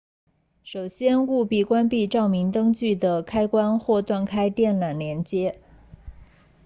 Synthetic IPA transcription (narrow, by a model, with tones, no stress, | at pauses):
ʂo˨˩ʊɕjɛ˥nu˥˧pi˥˩kwa˥npi˥˧ʈ͡ʂɑ˥˩ʊmi˧˥ŋt̪ɤ˥ŋt͡ɕy˥˩d̪ə˩kʰa˥ɪkwa˥nxwɔ˥˧t̪wa˥˩nkʰa˥ɪt̪jɛ˥˩nla˨˩nljɛ˧˥nt͡ɕjɛ˥